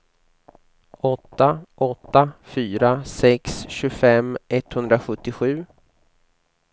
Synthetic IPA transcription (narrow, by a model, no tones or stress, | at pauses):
ɔt̪ːaʔɔt̪ːafyːɾasɛksɕɵfɛmːɛt̪hɵnd̪ɾaɧɵt̪ːɪɧʉ̟ː